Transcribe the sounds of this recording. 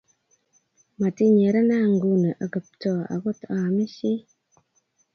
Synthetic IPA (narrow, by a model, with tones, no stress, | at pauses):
ma˨ti˦ɲe˨ɾə˦na˦˨ŋ˨ɡu˦nə˨ʔa˨ɡə˨p̚tɔ˦˨a̰˨ɡo˦ta˨mi˦ʃi˦